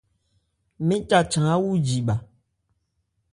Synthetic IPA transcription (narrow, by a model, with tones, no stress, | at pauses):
mĩ˦t͡ʃa˨t͡ʃã˨a˦wu˦d͡ʒi˨ɓa˨